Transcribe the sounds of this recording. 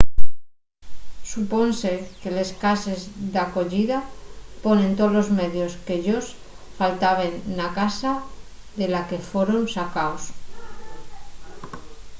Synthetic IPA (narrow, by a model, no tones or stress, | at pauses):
supo̞nse̞ke̞le̞skase̞zðako̞ʎiðapo̞nẽ̞nt̪olo̞zme̞ðjo̞skeʎos | falt̪aβ̞e̞nːakasa | ðe̞lake̞fweɾonsakaos